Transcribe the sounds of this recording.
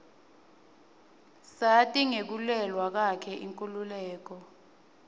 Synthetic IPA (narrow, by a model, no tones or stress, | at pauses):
satʼiŋek̬ulɛlwak̬akʰɛʔiŋkʼululɛːk̬ɔ